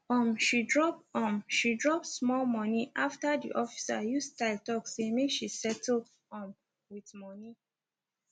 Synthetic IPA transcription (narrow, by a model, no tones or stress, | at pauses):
ɔ̃mʃidɹɔp̚ɔ̃mʃidɹɔp̚smɔlmɔniʔaftadḭʔɔfi̥sa̰justaɪltɔksemeʃisɛtʰl̩ | ɔ̃m | witmɔni